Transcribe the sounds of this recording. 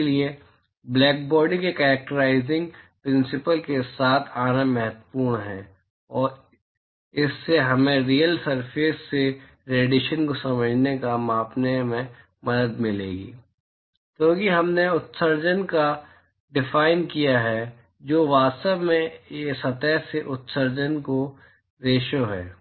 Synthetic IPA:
elie | blɛːk̚bɔːɾɖikekɛːɾɛk̚ʈəɾaːɪzɪ̃ŋɡpɾɪ̃nsɪpəlkesaːt̪ʰaːnamɛɦət̪ə̥puːɾɳɦɛ̰̃ː | ɔːɾ | ɪsːeɦɐmẽɾijəlsɐɾpeːsːe | ɾeːɖɪʃənkosɐməd͡ʒʱnekamãːpnemẽ | mɐd̪əd̪mɪlḛːɡḭː | t̪oːkiɦɐmneʊt̪səɾd͡ʒənka | ɖɪfaːɪnkijaɦɛ | d͡ʒoːʋaːst̪əbmẽesɐt̪ɛseʔʊt̪səɾd͡ʒənko | ɾeːʃoɦɛ̰ː

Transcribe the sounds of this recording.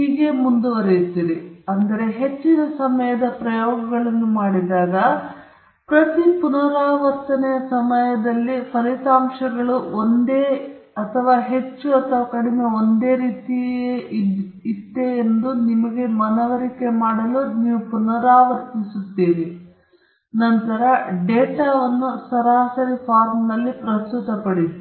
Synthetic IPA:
hɦiːɡe̞mund̪uʋɐɾejut̪ːiːɾiɐnd̪ɐɾe̞ɦe̞t͡ʃːinɐsɐmɐjɐd̪ɐpɾɐjɔːɡɐɡɐɭɐnːumaːɽid̪aːɡɐ | pɾɐt̪ipunɐɾaːʋɐɾt̪ɐnɛjɐsɐmɐjɐd̪ɐlːipʰɐɾit̪aːmʂɐɡɐɭuond̪e̞ːɐt̪ʰɐʋaːɦe̞t͡ʃːuɐt̪ʰɐʋaːkɐɽime̞o̞nd̪eːɾiːt̪ieʔit̪ːeːnd̪unimɐɡe̞mɐnɐʋɐɾike̞maːɽɐluniːʋupunɐɾaːʋɐɾt̪isut̪ːiːni | nɐnt̪ɐɾɐɖɛːʈaːʋɐnːusɐɾaːsɐɾipʰaːɾmnɐlːipɾɐst̪ut̪ɐpɐɽi

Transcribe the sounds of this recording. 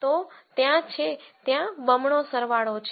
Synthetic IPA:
t̪ot̪jãt͡ʃʰet̪jãbəmɳosəɾʋaɭot͡ʃʰ

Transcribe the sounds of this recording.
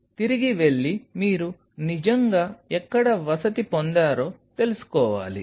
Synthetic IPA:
t̪iɾiɡiʋe̞ɭːimiːɾu | nid͡ʒɐŋɡaːɛkːɐɽɐʋɐsɐt̪ipond̪aːɾo̞ːt̪e̞lusu̥kɔːʋa̰ːlḭ

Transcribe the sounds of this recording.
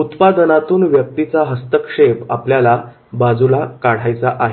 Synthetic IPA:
ut̪pad̪ənat̪uːnʋjək̚t̪it͡saɦəst̪əkʂepapljala | bad͡zulakaɽ̤ajt͡saʔaɦ

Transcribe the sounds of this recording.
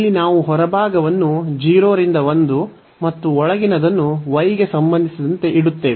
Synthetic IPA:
lːinaːʋuɦɔɾɐbʱaːɡɐʋɐnːud͡ʒiːɾoːɾind̪ɐʋond̪u | mɐt̪ːuɔɭɐɡinɐd̪ɐnːuʋɐjɡe̞sɐmbɐnd̪isɐd̪ɐnt̪e̞ʔiɽut̪ːe̞ːʋe

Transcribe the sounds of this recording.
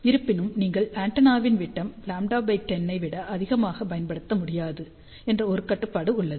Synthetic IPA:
ɪɾɯpːɪnɯmniːŋɡɐɭaːɳʈɐnaːʋɪnʋɪʈːɐmlaːmɖaːbɐɪʈːɛnːɐɪʋɪɽɐʔɐðɪɣɐmaːɣɐpɐjɐnpɐɽɯt̪ːɐmʊɽɪjaːðɯ | ɛndrɐɔɾɯkɐʈːɯpːaːɽɯʊɭːɐðɯ

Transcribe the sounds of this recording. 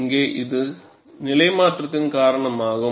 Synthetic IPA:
ŋɡeːʔɪðɯ | nɪlɐɪmaːʈrɐt̪ːɪnkaːɾɐɳɐmaːɣɯ

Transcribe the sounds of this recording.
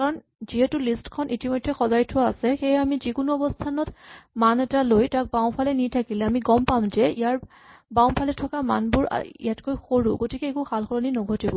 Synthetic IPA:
kaɹɔn | ziɦɛtulistkʰɔnʔitimojdʱːɛxɔzajtʰʊwaːsɛxejamizikʊnuɔbɔstʰanɔtmanɛtalojtak̚baw̃pʰalɛnitʰakilɛamiɡɔmpamzɛijaɹ | baw̃pʰalɛtʰɔkama̰nbʊɹa̰ḭjatkojxoɹṵɡotikɛːkuxʰalxɔlɔninɔɡʱɔtibɔ

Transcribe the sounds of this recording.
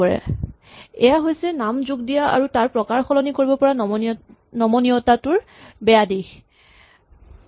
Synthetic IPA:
ɔɹɛ̰ | ɛ̰jaɦojsɛnamzuɡdijaa̰ɹutaɹpɹɔkaɹxɔlɔnikoɹibɔpɔɹa | nɔmɔniɔtatʊɹ | bɛjadi

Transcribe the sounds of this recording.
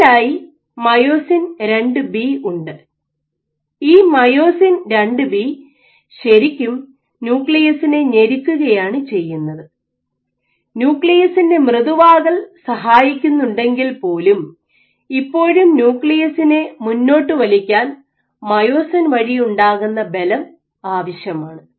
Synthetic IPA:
aːji | mɐjo̞ːsinɾe̞ɳɖɨbiuɳɖɨ | iːmɐjo̞ːsinɾeɳɖɨbi | ɕɐɾikʲːum | njuːkɭijɐsine̞ɲe̞ɾikʲːuɣɐjaːɳɨt͡ɕe̞jːunːɐðɨ | njuːkɭijɐsinde̞mrɨðuʋaːɣɐɭsɐɦaːjikʲːunːuɳɖe̞ŋɡilpo̞ːlum | ipːo̞ːɻumnjuːkɭijɐsinemunːo̞ːʈːɨʋɐlikʲːaːn | mɐjo̞ːsɐnʋɐɻijuɳɖaːɣunːɐbe̞lɐm | aːʋɐɕjɐmaːɳɨ

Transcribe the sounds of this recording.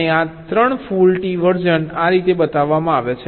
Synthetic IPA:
eat̪ɾəɳfulʈiʋəɾd͡ʒənaɾit̪ebət̪aʋːamãaʋet͡ʃʰe

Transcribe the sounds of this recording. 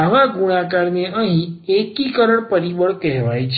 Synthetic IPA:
aʋaɡuɽ̃ãkaɾneʔəɦĩekikəɾəɳpəɾibəɭkɛɦʋajt͡ʃʰ

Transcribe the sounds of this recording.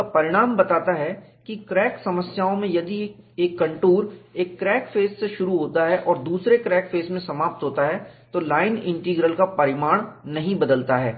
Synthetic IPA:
apɐɾɪɽ̃aːmbɐt̪aːt̪aɦɛkikɾɛːksɐməsjaːõmẽjɐd̪ieːkːɐ̃ɳʈuːɾeːkːɾɛːkfeːsːeʃʊɾuɦoːt̪aɦɛʔɔːɾd̪uːsɾekɾɛːkfʰeːsmẽsɐmaːp̚t̪ɦoːt̪aɦɛt̪olaːɪnɪ̃ɳʈiːɡɾəlkapɐɾɪmaːɽ̃nɐɦĩbɐd̪əlt̪aɦɛː

